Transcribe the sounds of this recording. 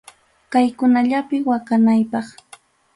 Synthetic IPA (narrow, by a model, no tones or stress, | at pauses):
kajkʊnaʎapɪwakanajpɑχ